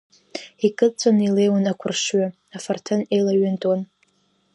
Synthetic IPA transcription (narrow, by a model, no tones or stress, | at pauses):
ikʼɨt͡sʼonilejwanakʷʰʊrʂɥa | afartʰɨnejlaɥʏntʼwan